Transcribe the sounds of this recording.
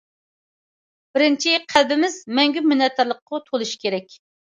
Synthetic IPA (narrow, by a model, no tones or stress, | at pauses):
b̥ɪɾɪnt͡ʃʰiqʰælbɪmɪzmɛŋɡʲymynɛt̪ʰːəɾlˠəqːʊt̪ʰolˠuʃkʲʰeɾɛkʲ